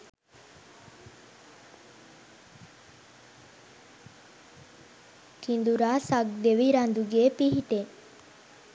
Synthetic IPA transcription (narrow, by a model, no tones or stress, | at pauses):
kind̪uɾasak̚d̪eʋiɾand̪uɡepiɦit̪e